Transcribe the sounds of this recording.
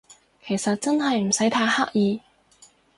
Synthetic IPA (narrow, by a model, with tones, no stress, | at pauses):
kʰe˨˩jsɐ˨t̚t͡sɐ˥nɦɐ˨jm̩˨˩sɐ˨˥jt̪ʰaː˧˥haː˥k̚jiː˨˧